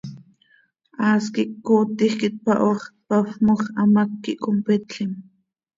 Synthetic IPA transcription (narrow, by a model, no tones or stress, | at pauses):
ʔaːskiʔkːoːt̪ixkit̪̚paʔoχt̪̚pafmoχɑamakːiʔkompet̪ɬim